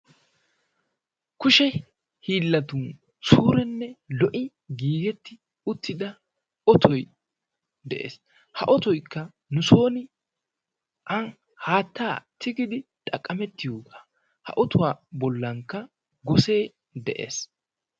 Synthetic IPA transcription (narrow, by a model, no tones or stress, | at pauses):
kʊʃɛ | hiːlːɐt̪un | suːɾɛnːɛlɔʔɪ | ɡiːɡɛt̪ːɪ | ʊt̪ʰːɪd̪ɐ | ɔt̪ʰɔj | d̪ɛʔḛːs | hɐʔɔt̪ɔjkːɐ | nʊso̞ːnɪ | ʔɐn | haːt̪ːaːt̪ʰɪɡɪd̪ɪt̪ʼɐkʼːɐmɛt̪ːɪjoːɡaː | hɐ̰ʔɔt̪ʊwaːbɔlːɐŋkːɐ | ɡɔse̞ː | d̪ɛʔḛːs